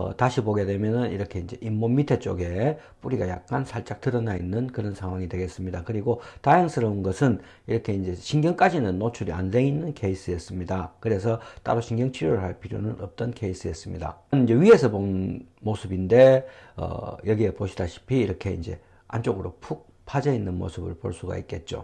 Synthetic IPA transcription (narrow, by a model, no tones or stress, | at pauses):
ʌ̰taɕʰiboɡe̞dwe̞mjʌnɯnḭɾʌkʰe̞ind͡ʑe̞̰ʔimːomitʰe̞t͡ɕ͈oɡe̞ | p͈uɾiɡaja̰k̚k͈ansʰaɭt͡ɕ͈ak̚t͈ɯɾʌnainːɯnkɯɾʌnsʰaŋɦwaŋidwe̞ɡe̞s͈ɯmɲidakɯɾiɡotajaŋsʰɯɾʌunɡʌsʰɯn | iɾʌkʰe̞ind͡ʑe̞ɕʰiŋɡjʌŋk͈ad͡ʑinɯnːot͡ɕʰuɾia̰nde̞inːɯnkʰe̞is͈ʰɯjes͈ɯmɲidakɯɾe̞s̬ʰʌt͈a̰ɾoɕʰiŋɡjʌŋt͡ɕʰiɾjoɾɯɭhaɭpʰiɾjonɯnʔʌp̚t͈ʌnkʰe̞is͈ɯjes͈ɯmɲida̰nind͡ʑe̞ɥie̞sʰʌponmosʰɯbinde̞ʌ̰jʌɡiepoɕʰidaɕʰi̥pʰiːɾʌkʰe̞ḭnd͡ʑe̞̰ | a̰nt͡ɕ͈oɡɯɾopʰuk̚ | pʰad͡ʑʌinːɯnmo̰sʰɯbɯɭpo̰ɭs͈uɡa̰ik͈e̞t̚t͡ɕ͈o̰